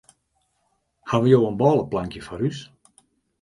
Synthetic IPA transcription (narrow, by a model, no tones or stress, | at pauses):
haʋəjoːənbɔːlˠəplaŋkjəfɔɾys